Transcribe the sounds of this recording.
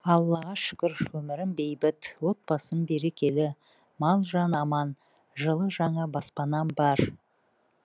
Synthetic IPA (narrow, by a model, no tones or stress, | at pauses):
ɑlˠːɑʁɑʃɪ̥kʲɪɾwɵmɪɾɪmbe̞jbɪt̪wo̞t̪̚bɑsənbe̞ɾe̞kʲe̞lɪ | mɑlˠʒɑnɑmɑn | ʒəlˠəʒɑɴɑbɑspɑnɑnbɑɾ